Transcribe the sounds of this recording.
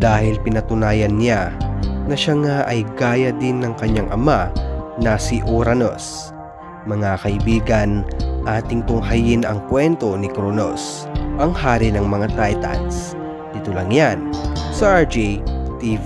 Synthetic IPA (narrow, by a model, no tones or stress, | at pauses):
d̪aːhɪlpɪnɐt̪ʊnaːjɐnːjanɐʃaŋaʔɐjɡaːjɐd̪ɪnːɐŋkɐɲːaŋʔɐmanɐsiʔoɾɐno̰s | mɐŋakɐʔɪbiːɡɐnʔaːt̪ɪŋt̪ʊŋhɐjɪnɐŋkwɛnt̪o̞nɪkɾonos | ʔɐŋhaːɾinɐŋmɐŋat̪ajt̪ɐ̰ns | d̪it̪olɐŋjansɐʔaɹd͡ʒɛjt̪iv